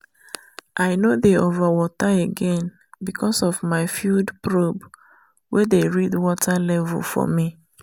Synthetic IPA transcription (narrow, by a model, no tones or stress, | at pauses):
ʔaɪnodeovawɔtaeɡɛ̃n | bikʰɔsɔvmaɪfjuldpɹob | wedeɹidwɔtʰalɛvṵlfɔ̰mi